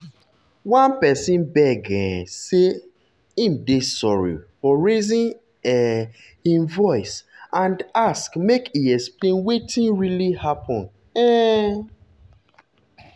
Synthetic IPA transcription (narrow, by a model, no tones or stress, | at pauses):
wãnpɛsĩnbɛɡɛ̃se | ĩmdesɔɹḭfɔɹezĩn | ɛ | ĩnvɔɪsãndaskmekiɛksplẽnwetĩnɹilihapʰɔ̃n | ɛ